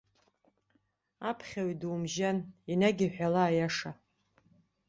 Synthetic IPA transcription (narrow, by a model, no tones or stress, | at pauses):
apʰχʲaɥidumʒaninaɡʲiħʷᶣalaːjaʂa